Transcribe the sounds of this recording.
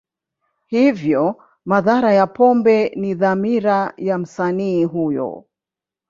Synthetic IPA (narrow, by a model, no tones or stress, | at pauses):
hivjɔ | maðaɾajapɔmbɛniðamiɾajam̩saniːɦujɔ̰